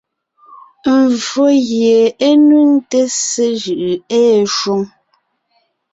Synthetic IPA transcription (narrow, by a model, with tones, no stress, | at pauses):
m̩˨vo˦ɣje˨e˦nu˦n̩˦te˦se˦ʒɯ˨ʔɯ˨ɛː˦ʃwu˦ŋ